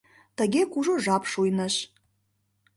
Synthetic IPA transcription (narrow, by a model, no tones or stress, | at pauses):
tʰaɡʲekʷuʐoʐapʰʂujnɐʃ